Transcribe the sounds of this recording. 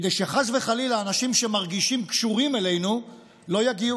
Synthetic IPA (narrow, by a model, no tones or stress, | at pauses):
d̪ejʃeχazve̞χalilaːnaʃimʃe̞maʁɡiʃimkʃuʁimele̞jnu | lo̞jaɡiu